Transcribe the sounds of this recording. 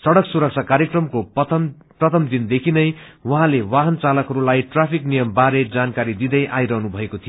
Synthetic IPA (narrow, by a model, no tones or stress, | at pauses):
sʌɽʌksuɾʌk̚t͡sʰakaɾjekrʌmko | prʌt̪ʰʌmd̪ind̪ekʰinʌjwʌɦãlewaɦʌnt͡salʌkɦʌɾulajʈrapʰiknijʌmbaɾed͡zankaɾid̪id̪ʌjʔa̰jɾʌɦnubʱʌekot̪ʰijo